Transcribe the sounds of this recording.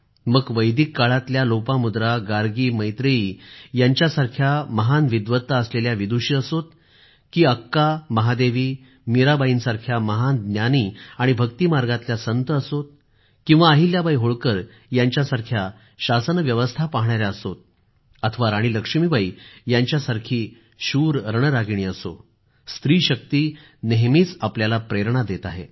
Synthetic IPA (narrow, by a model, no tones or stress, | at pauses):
məɡʋəjd̪ikːaɭat̪ljalopamud̪ɾaɡaɾɡiːməjt̪ɾəiːjaɲt͡ɕjasaɾkʰjaməɦanʋid̪ʋət̪ːaəsleljaʋid̪uɕiːəsot̪̚ | kiːəkːaməɦad̪eʋiː | miɾabaiːnsaɾkʰjaməɦand̪nʲjaniːaɽ̃ibʱəkt̪imaɾɡãt̪ljasənt̪əəsot̪̚ | kĩw̃ʋaːɦiljabaiɦoɭkəɾ | jaɲt͡ɕjasaɾkʰja | ɕasənʋjəʋəst̪ʰapaɦɳaɾjaəsot̪̚ | ət̪ʰəʋaɾaɽ̃iləkʂmiːbaijaɲt͡ɕjasaɾkʰiː | ɕuːɾɾəɳəɾaɡɳ̃iːəso̰ | st̪ɾiːɕək̚t̪iː | neɦmiːt͡sapljalapɾeɾɳad̪et̪aɦḛ